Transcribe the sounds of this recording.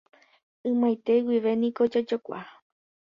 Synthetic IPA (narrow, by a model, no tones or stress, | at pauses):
ɨ̃mãjt̪e̞wiʋe̞nĩko̞d͡ʒad͡ʒokʷa̰